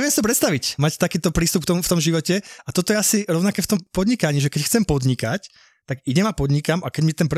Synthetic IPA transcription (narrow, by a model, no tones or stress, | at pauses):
ɛʋiɛmsit̪ɔpɾɛt̪st̪aʋicmact̪akiːt̪ɔpɾiːst̪upk̚t̪ɔmuft̪ɔmʒiʋɔcɛat̪ɔt̪ɔjɛasiɾɔʊnakɛːft̪ɔmpɔd̪ɲikaɲiːʒɛkɛcxt͡sɛmpɔd̪ɲikac | t̪aɡiɟɛmapɔd̪ɲikamʔakɛɟmit̪ɛnp